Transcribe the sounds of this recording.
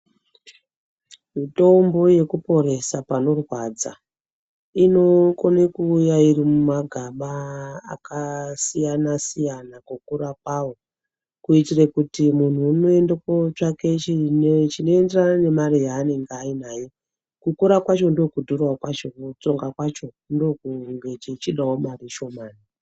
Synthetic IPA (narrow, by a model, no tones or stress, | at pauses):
mito̞mbo̞je̞kupo̞ɾe̞sapano̞rwad͡za̰ | ino̞konekuːjaiɾimumaɡʱaɓaa̰kasijanasijanakukuɾakwawo | kuitirekutimun̤uːnoe̞ndekot͡ʂake̞t͡ʃit͡ʃino̞e̞nderanane̞maɾijaːne̞ŋɡainaːje̞ | kukuɾakwat͡ʃo̞ndo̞kudʱorwakwat͡ʃo̞kut͡so̞ŋɡakwat͡ʃo̞ | ndo̞kuŋɡet͡ʃit͡ʃiɗaɦomariʃo̞maːni